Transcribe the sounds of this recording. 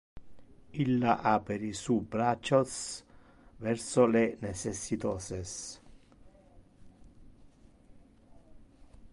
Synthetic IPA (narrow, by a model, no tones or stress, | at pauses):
ilːaʔapɛɾisubɾat͡ʃːɔs | vɛɾsolenɛsɛsːit̪ɔːsɛs